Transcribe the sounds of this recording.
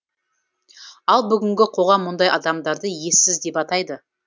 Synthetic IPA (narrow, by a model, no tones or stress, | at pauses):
ɑlˠbʏɡʲɪŋɡʲɪqʰo̞ʁɑmːʊnd̪ɑjɑd̪ɑmd̪ɑɾd̪əje̞sɪzd̪e̞pɑt̪ɑjd̪ə